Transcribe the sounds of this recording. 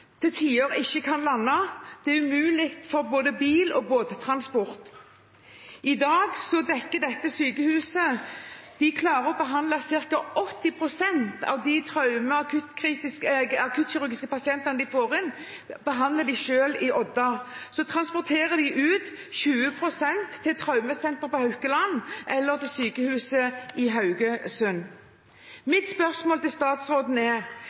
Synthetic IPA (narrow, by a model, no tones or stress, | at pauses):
t̪ʰɪt̪ʰiːoːɾəɪçːəkʰɑnlɑnːɑd̪̥ɛæɾʉmʉːlɪkt̪fɔɾboːd̪əbiːlɔ̰boːd̪ət̪ʰɾɑnspɔʁt̪ | ɪd̪ɑːɡsɔd̪ɛkːəd̪ɛt̪ːəsyːkəhʉːsəd̪̥ɪkʰlɑːɾəɔbəɦɑnd̪lɑsɪʁkɑɔt̪ːɪpʰɾʊsɛnt̪ɑ̰ʋd̪ɪt̪ʰɾɑʉməɑkʰʉt̪kʰɾiːt̪ɪskɑkʰʉt̪ɕɪɾʉɾɡɪskəpɑsɪɛnt̪ənəd̪ɪfoːɾɪn | bəɦɑnd̪ləd̪ɪʃøːlɪʔɔd̪ːɑsɔt̪ʰɾɑnspɔʁt̪ʰeːʁəd̪ɪʔʉːt̪ | çʉːəpʰɾʊsɛnt̪ʰːɪlt̪ʰɾɑʉməsɛnt̪ʁɾpɔhœʉkəlɑnːʔɛlːəʁt̪ɪlsyːkəhʉːsəɪɦɑʉɡəsʉn | mɪt̪spœʁsmoːlt̪ɪlst̪ɑːt̪sɾoːd̪n̩ɛ